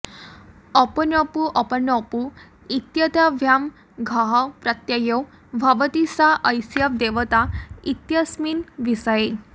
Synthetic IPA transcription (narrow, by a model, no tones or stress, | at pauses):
ɔpɔnɔpuʔɔpənɔpu | it̪jət̪aʋʱjam | ɡʱaɦɔpɾat̪jajɔw | bʱaʋət̪isaʔəjsjap̚d̪eʋət̪ait̪jasminʋisaje